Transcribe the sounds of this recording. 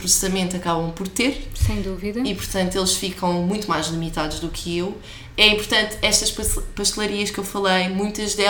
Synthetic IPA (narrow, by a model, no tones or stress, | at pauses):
pɾussɐmẽnt̪uɐkaβɐ̃w̃pɔɾt̪eɾsɐ̃j̃d̪uviðɐipuɾt̪ɐ̃nt̪uelˠʃfikɐ̃w̃mũj̃t̪umajʒlˠimit̪aðuʒðukʰɨew | ɛĩmpuɾt̪ɐ̃nt̪ɛʃt̪ɐʃpɐpɐʃt̪lˠɐɾiɐʃkewfɐlˠɐjmũj̃t̪ɐʒðɛ